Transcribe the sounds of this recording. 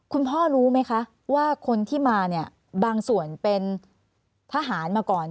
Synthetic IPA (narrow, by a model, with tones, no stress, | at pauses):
kʰu˧npʰɔː˥˩ɾuː˦˥ma˦˥jkʰa˦˥ʔ | waː˥˩kʰo˧nt̪ʰiː˥˩maː˧ni˥˩ə | baː˧ŋsu˨˩ənpe˧n | t̪ʰaː˧ɦaː˩˦nmaː˧kɔː˨˩n